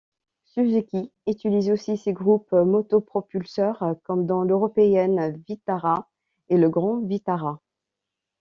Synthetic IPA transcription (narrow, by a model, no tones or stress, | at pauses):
syzekʲiyt̪ylizosiseɡʁupmɔt̪ɔpχɔpylsœʁkɔmd̪ɑ̃løʁɔpeɛnvit̪aʁa | eləɡʁɑ̃vit̪aʁa